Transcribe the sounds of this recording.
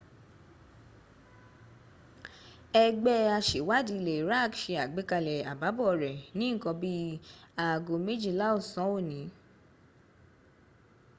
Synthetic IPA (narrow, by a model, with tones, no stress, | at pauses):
ɛ˧ɡ͡bɛ˦a˧ʃe˨wa˦˨di˨˧le˨ɾa˦˨kʃe˧a˨ɡ͡be˨˦ka˧lɛ˨a˨ba˨˦bɔ˦˨ɾɛ˨nĩ˨˦˨kɔ̃˧bi˦a˨ɡo˨me˦d͡ʒi˦˨la˦o˦˨sɔ̃˨˦o˦˨nĩ˨˦